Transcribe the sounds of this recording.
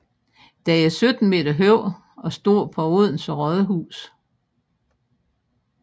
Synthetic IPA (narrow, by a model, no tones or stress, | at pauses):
d̥ææɐsød̥n̩me̝̰ːd̥ɐɦøʊ̰ | ɒ̽sd̥o̝̰ɐ̰pʰɒ̽oð̰ˠn̩sʁɒðˠəɦṵːs